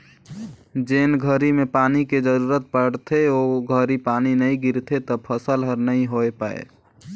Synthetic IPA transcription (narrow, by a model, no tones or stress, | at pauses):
d͡ʒenɡʱəɾimepaːniked͡ʒəɾuɾət̪̚pəɽt̪ʰeoɡʱəɾipaːninəĩɡiɾt̪ʰet̪əpʰəsəlɦəɾnəĩɦoepaḛ